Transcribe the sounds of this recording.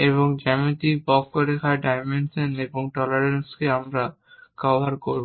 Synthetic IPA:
eβoŋd͡ʑɛmit̪ibɔkːoɾekʰaɖajmenseneboŋʈɔlaɾenskeamɾa | kɔbʱaɾkoɾbo

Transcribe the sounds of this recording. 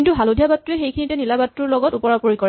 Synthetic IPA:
intuɦalodʱjabatːuɛxejkʰinitɛnilabatɹuɹlɔɡɔtupɔɹapoɹikɔɹɛ

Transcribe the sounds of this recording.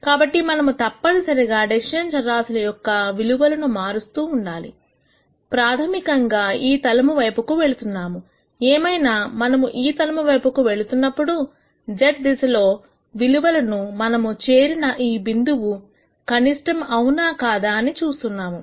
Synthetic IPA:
kaːbɐʈːimɐnɐmut̪ɐpːɐɽisɐɾiɡaːɖeʃɐnt͡ʃɐɾaːsulɐjɔkːɐʋiluʋɐlɐnumaːɾust̪uːɳɖaːlḭ | pɾaːt̪ʰɐmikɐŋɡaːiːt̪ɐlɐmuʋɐjpukuʋe̞ɭut̪unːaːmu | eːmɐjnaːmɐnɐmuʔiːt̪ɐlɐmuʋɐjpukuʋe̞ɭut̪unːɐpːuɽu | d͡ʒeʈ̚d̪isɐlo̞ː | ʋiluʋɐlɐnumɐnɐmut͡ʃe̞ːɾinɐʔiːbind̪uʋu | kɐniʂʈɐmɐwunaːkaːd̪aːnit͡ʃuːst̪unːaːmu

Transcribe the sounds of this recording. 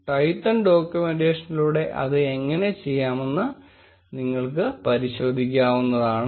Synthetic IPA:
ʈɐjtːɐnɖo̞ːkʲjume̞nɖe̞ːʂɐniluːɽe̞ʔɐ̰ðɨeŋːɐne̞t͡ɕe̞jːaːme̞nːɨ | niŋːɐɭkɨpɐɾiɕo̞ːd̪ʱikʲːaːʋunːɐðaːɳɨ

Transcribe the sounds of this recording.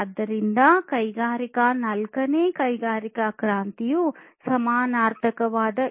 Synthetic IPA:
ɐd̪ːɐɾind̪ɐkɐjɡaːɾikɐnɐlkɐneːkɐjɡaːɾikɐkɾaːnt̪ijusɐmaːnaːɾt̪ʰɐkɐʋaːd̪ɐ

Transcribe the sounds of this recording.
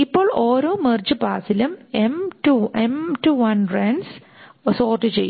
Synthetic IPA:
ipːoːɭoːɾoːmerd͡ʑɨbaːsilumemʈuemʈuʋɐnreːɳɖs | soːrʈːɨt͡ɕejː

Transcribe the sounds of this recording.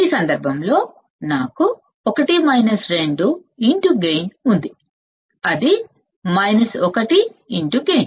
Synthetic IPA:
iːsɐnd̪ɐɾbʱɐmlo̞ː | naːku | ɔkɐʈimɐjnɐsɾe̞ɳɖuiɳʈuɡejnund̪i | ɐd̪i | mɐjnɐsɔkɐʈiiɳʈuɡejn

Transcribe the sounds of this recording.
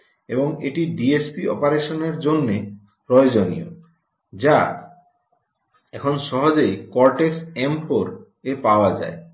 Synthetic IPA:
ḛboŋeʈiɖiespiɔ̰paɾeʃoneɾd͡ʑonːe | pɾɔjod͡ʑonḭjo̰ | d͡ʑa | ɛkʰonʃɔɦod͡ʑejkɔɾʈeksɛmpoɾ | epaoad͡ʑa̰e

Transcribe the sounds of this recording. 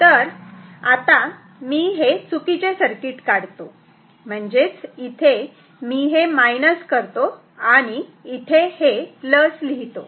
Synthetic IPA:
t̪əɾat̪a | miːɦesukit͡sesəɾkiʈkaɽt̪o | m̤əɳd͡zet͡sit̪ʰe | miːɦemajnəskəɾt̪o | aɽ̃iːt̪ʰeheləsliɦit̪o

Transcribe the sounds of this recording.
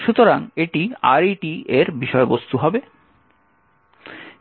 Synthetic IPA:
ʃut̪oɾaŋeʈia̰ɾiʈieɾbiʃɔebost̪uɦɔbe

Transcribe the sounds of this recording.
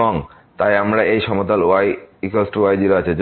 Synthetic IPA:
oŋ | t̪ajamɾaejʃɔmot̪aloajikolsʈuajd͡ʑiɾaat͡ɕʰed͡ʑ

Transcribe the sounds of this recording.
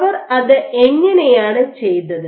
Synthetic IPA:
ʋɐrɐðɨeŋːɐnejaːɳɨt͡ɕe̞jt̪ːɐðɨ

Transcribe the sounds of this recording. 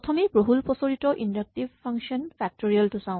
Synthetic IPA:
ɔtʰɔmipɹoɦulpɔsoɹitɔʔindak̚tibʱpʰːaŋʃɔnfʰɛk̚toɹiɔltusãʊ̃

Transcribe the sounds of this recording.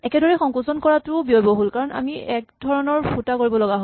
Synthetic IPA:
ɛkɛdɔɹɛxɔ̃ŋkusɔnkɔɹatʊbiɔjbɔɦolkaɹɔna̰miɛkdʱɔɹɔnɔɹpʰutakoɹibɔlɔɡaɦo

